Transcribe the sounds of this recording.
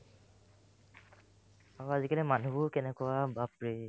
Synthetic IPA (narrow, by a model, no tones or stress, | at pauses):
aɹuazikalɛmanubʊkɛnɛkɔwabapɹi